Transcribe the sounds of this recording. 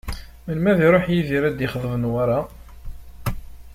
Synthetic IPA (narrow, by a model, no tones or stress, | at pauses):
mənmæðiɾˤoħjiðiɾæd̪jiχðˤəvənwaɾˤa